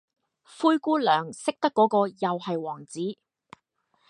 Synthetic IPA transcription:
fuː˥jkuː˥lœː˨˩ŋsɪ˥k̚t̪ɐ˥kːɔː˨˧˥kɔː˧jɐ˨whɐ˨jwɔː˨˩ŋt͡siː˨˥

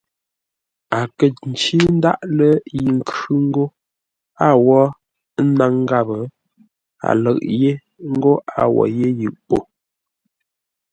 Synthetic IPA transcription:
a˨kə˨n̩˨t͡ʃi˦n˦da̰˦ʔlə˦ji˨ŋ̩˨kʰʉ˦ŋ̩˦ɡo˦ | a˦wɔ˦ | na˨˦ŋ˦ɡa˦bə˨˦ | a̰˨lə˦˨ʔje˦ | ŋ̩˦ɡo˦a˨wɔ̰˨je˦jɯ˨ʔpo˨

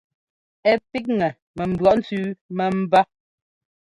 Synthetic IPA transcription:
ɛ˦pi˦k̚ŋɛ˨ | mɛ˨m̩˨bɰɔ˨ʔn̩˦t͡sʉː˦mɛ˨m̩˦ba˦

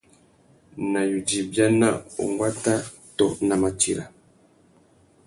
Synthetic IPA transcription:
na˨ju˨di˨bja˦na̰˦ṵ˨ŋɡwa˦ta˦ | tɔ˦na˨ma˨ti˨ɾa˨

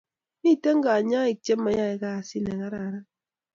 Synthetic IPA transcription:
ni˦˨te˦ŋ̩˦ɡa˨ɲa˦i˨t͡ʃe˦m˦a˨ɲa˦e˨ka˦a˨si˦ne˨ɣa˦ɾa˨ɾa˦

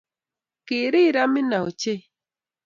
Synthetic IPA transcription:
ki˨ɾi˦˨ɾa˦mi˦na˨o˨t͡ʃe˦

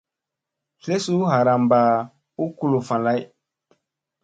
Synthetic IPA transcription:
ɬe˦su˦ɦa˨ɾa˨mba˨ | u˦ku˦lo˨fã˨la˦j

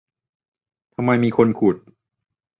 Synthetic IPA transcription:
t̪ʰa˧mːa˧jmiː˧kʰo˧nkʰu˨˩t̪̚

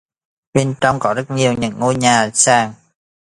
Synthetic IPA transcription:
ɓe˧nt͡ɕɔ˧wŋ͡mkɔ˨˦zə˦˥t̚ɲi˨˩əwɲɨ̰˧˥˦ŋːo˧jɲaː˨˩saː˧˩ŋ

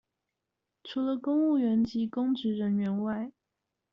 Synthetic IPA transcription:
ʈ͡ʂʰu˧˥lə˧kʊ˥ŋu˥˩ɥɛ˧˥nt͡ɕi˧˥kʊ˥ŋʈ͡ʂɻ̩˧˥ɻə˧˥nɥɛ˧˥nwa˥˩ɪ

